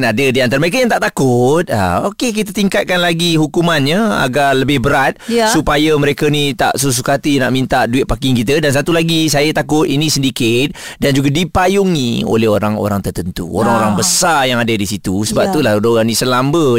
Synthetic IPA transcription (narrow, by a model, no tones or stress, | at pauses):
nadədiant̪aɾəməɾekajaŋt̪aʔt̪akʊt̪̚a̰o̰kek̬it̪̬ət̪iŋkat̪̚kanlaɡiɦukumanɲəa̰ɡaləbɪhbəɾat̪̚supajəməɾekənit̪a̰ʔsus̬ukat̪inaʔmint̪aʔduɪt̪̚pakɪŋkit̪ədansat̪ulaɡisajət̪akʊt̪inĩsəndikɪt̪̚dand͡ʒuɡadipajuŋio̰lɛɦoɾaŋo̰ɾaŋt̪ərt̪ənt̪ṵo̰ɾaŋoɾaŋbəsarjaŋadədisit̪usəbap̚t̪ulahdoɣanisəlambə